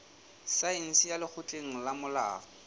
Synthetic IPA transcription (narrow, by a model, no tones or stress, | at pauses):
saen̩sijalɪk͡xʰʊtʼeŋ̩lamʊla̰ːfɔ